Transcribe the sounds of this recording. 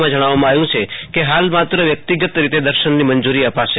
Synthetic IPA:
mãd͡ʒəɽ̃aʋamãajũt͡ʃʰekeɦalmat̪ɾəʋjək̚t̪iɡət̪ɾit̪ed̪əɾʃənːimənd͡ʒuɾiəpaʃe

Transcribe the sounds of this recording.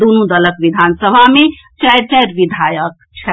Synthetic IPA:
d̪unũd̪ələkʋid̪ʱansəbʱame | t͡ʃajɾt͡ʃaɾʋid̪ʱajək̚ | t͡ʃʰɛ

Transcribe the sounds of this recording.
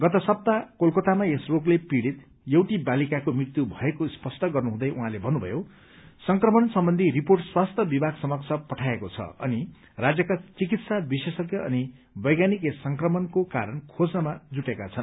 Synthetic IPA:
ɡʌt̪ʌsʌp̚t̪akolkot̪amaesroklepiɽit̪ | jʌwʈibalikakomrit̪ubʱʌekospʌsʈʌɡʌrnuɦũd̪ʌjʔuɦãlebʱʌnːubʱʌ̰jo | sʌŋkrʌmʌnsʌmbʌnd̪ʱiriporʈswast̪ʰʌbibʱaɡsʌmʌksʰʌpʌʈʰaekot͡sʰʌ̰ʌ̰ni | rad͡zjʌkat͡sikit̪sabisesʌkjʌʌ̰ni | bʌjɡanikessʌŋkrʌmʌnkoka̰ɾʌnkʰod͡znʌmad͡zuʈekat͡sʰʌn

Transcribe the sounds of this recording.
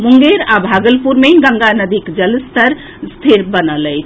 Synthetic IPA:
muŋɡeɾabʱaɡəlpuɾmeɡə̃ŋɡanəd̪ikd͡ʒəlst̪əɾ | st̪ʰeɾbənəlɛjt͡ʃʰ

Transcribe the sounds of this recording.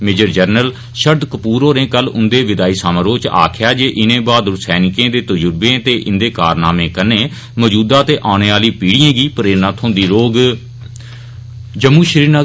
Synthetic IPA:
meːd͡ʒəɾd͡ʒəɾnəl | ʃəɾd̪kəpuːɾoːɾẽːkəlʊ̰nd̪eːʋɪd̪aːiːsaːmãːɾoːt͡ʃa̰ːkʰjaːd͡ʒeːʔɪnẽːbaːd̪ʊsɛːnɪkẽːd̪eːt̪əd͡ʒʊɾbẽːt̪eːʔɪnd̪eːkaːɾnaːmẽːkənẽː | məd͡ʒuːd̪aːt̪eːʔaːnẽːaːliːpiːɽijãːɡiːpəɾeːɾnãːt̪ʰõːnd̪iːɾoːɡ | d͡ʒəmũːʃəɾiːna

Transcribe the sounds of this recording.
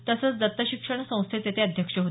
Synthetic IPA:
t̪əsət͡sd͡zət̪ːəɕikʂəɳsə̃w̃st̪ʰet͡s̪et̪ʰeəd̪ʱjəkʂəɦo

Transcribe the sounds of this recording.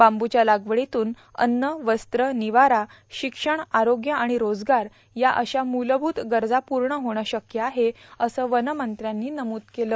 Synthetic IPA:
bambut͡ɕjalaɡʋɽit̪uːn | ə̰nːəʋəst̪ɾəniʋaɾa | ɕikʂəɳaɾoɡjəaɽ̃iɾod͡zɡaɾ | jaʔəɕamuləbʱuːt̪ɡəɾd͡zapuɾɳəɦoɽ̃aɕəkjəaɦeəsəːʋənəmənt̪ɾjanːiːnəmuːt̪keləː

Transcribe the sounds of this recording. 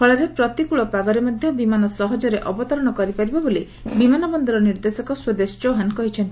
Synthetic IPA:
ɔɭɔɾepɾɔt̪ikuɭɔpaɡɔɾemɔd̪ʱjɔbimanɔsɔɦɔd͡ʒɔɾeʔɔbɔt̪ɔɾɔɽ̃ɔkɔɾipaɾibɔboli | bimanɔbɔnd̪ɔɾɔniɾd̪esɔkɔswɔd̪esd͡ʒoɦankɔɦit͡ʃʰɔnt̪i

